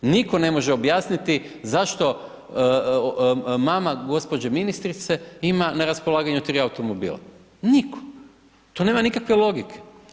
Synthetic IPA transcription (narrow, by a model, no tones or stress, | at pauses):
niko̞ne̞mo̞ʒeo̞bjaːsnit̪i | zaʃt̪o̞ | maːmaɡo̞spo̞d͡ʑeminist̪ɾit̪se̞imanaɾaspo̞lˠaːɡaɲut̪ɾiauwt̪omobḭːlˠa̰ | nikʰo̥ | t̪onemanikakʋelˠo̞ɡikʰe̥